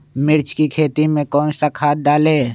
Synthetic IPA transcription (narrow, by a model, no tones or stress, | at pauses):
mɪɾt͡ʃkikʰeːt̪imẽkɔ̃ːnst̪akʰaːt̪̚daːleː